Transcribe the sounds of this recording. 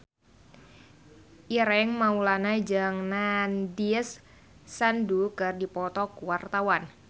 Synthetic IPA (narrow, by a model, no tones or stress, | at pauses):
ʔiɾɛŋmaulanad͡ʒaŋnandiəsː | andukərdipɔt̪ɔkuwart̪awan